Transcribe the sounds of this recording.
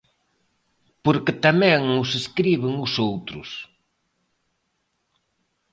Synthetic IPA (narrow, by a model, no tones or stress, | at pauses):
poɾkɪt̪amɛ̃ŋʊseskɾiβɪŋʊsowt̪ɾʊ̰s